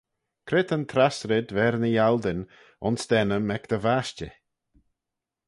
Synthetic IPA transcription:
kʰɾɪt̪ənt̪ʰɾasɾɪd̪vɛɾnəjald̪ɪn | ʊnsd̪̥ɛnəmɛkd̪̥əvaʃt͡ʃə̰

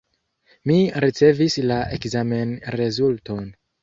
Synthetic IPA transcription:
miɾit͡se̞vislaʔekzame̞nɾezulto̞n

